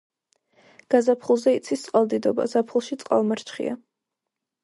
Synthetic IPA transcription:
ɡ̥azapʰχulˠzɛit̪sʰist̪sʼqʼalˠd̪id̪ɔba̰zapʰχulˠʃit̪sʼqʼa̰lˠmaɾt͡ʃʰχḭa̰

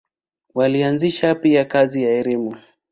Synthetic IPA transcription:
walianziʃapiakazijaɛɾimu

